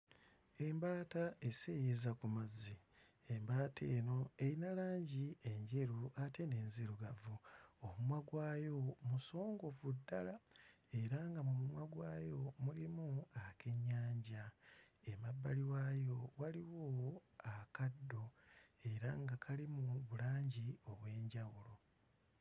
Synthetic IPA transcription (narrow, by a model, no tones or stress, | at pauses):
e̞mbaːtaesejezakumazi | embaːtʰe̞ːno̞ejinalaːɲɟie̞ɲɟe̞ɾuate̞ne̞ːnziɾuɡavuomumwaɡwaːjo̞muso̞ːŋɡo̞vudːalae̞ɾaŋɡamumumwaɡwaːjo̞mulimuake̞ɲːaːɲɟaemabːaliwaːjo̞waliwoakadːoe̞ɾaŋɡakʰalimuβulaːɲɟio̞βwe̞ːɲɟawulo̞